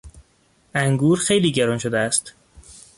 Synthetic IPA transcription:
æŋɡuːɾxe̞jliːɟæɾɒːnʃod̪eæst̪

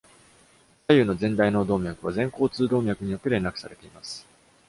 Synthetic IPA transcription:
sajɯ̟ːno̞zẽ̞nd̪aino̞d̪o̞ːmʲjakɯ̟βazẽ̞ŋko̞ːt͡sɨːd̪o̞ːmʲjakɯ̟ɲ̟ijo̞t̪ːe̞ɾe̞nakɯ̟̥saɾe̞t̪e̞imasɨ̥

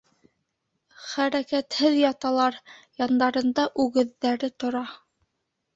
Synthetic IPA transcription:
χæɾækæt̪hɘðjɑt̪ɑlˠɑɾjɑnd̪ɑɾɤ̆nd̪ɑʔʉɣɘ̆ðːæɾɘt̪ŏɾɑ

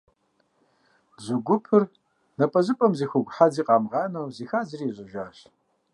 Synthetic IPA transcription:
zɨɡʷʊpʰɨr | nɐpʼɐzɨpʼɐmziːxʷʊɡʷħad͡ziːqʼɑːmʁɑːnɐwziːxaːzɨriːʑʷʼɨʒʷaːɕ

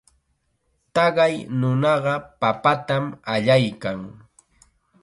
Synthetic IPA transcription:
t̪ɑɢɑjnʊnɑɢɑpapat̪amaʎajkaŋ

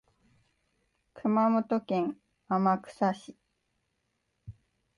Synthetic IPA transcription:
kʰɯ̟mamo̞t̪o̞kẽ̞ŋ | amakɯ̟̥saɕi

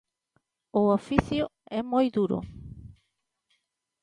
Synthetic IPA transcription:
ʊofiθjʊɛmojðuɾʊ̰

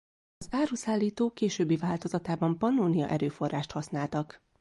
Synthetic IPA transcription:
ɒzaːɾuːsaːlːiːt̪oːkeːʃøːbːivaːlt̪o̞zɒt̪aːbɒmpɒnoːnijɒ̰ʔɛɾøːfo̞raːʃt̪hɒsnaːlt̪ɒk

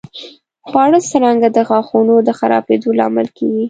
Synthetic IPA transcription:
xwɑɽəsaɾaŋɡad̪əɣɑxunod̪əxaɾɑ̰bed̪olɑ̰mɪlkeɡi

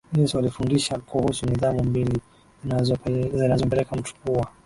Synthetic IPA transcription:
nɛswalifundiʃakuhusuniðamumbili | azzinazɔmpɛlɛkam̩tu̥kua

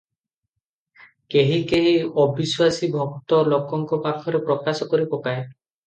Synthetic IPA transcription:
keɦikeɦiɔbiswasibʱɔkt̪ɔlɔkɔŋkɔpakʰɔɾepɾɔkasɔkoɾibɔpae

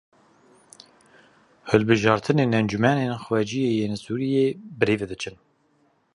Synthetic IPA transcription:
hɨlbɨʒɑːɾt̪ʰɨneːnɛnd͡ʒumænenxwɛd͡ʒijeːjeːnsuːɾijeːbɨɾeːved̪ɨt͡ʃʰɨn

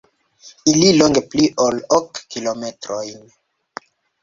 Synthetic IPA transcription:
ililoŋɡepliʔolokːilometɾojn

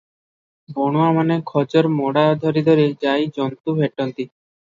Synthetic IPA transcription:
bɔɽ̃oamanekʰɔd͡ʒoɾmɔɽad̪ʱɔɾid̪ʱɔɾed͡ʑajd͡ʒɔnt̪ubʱeʈɔnt̪i

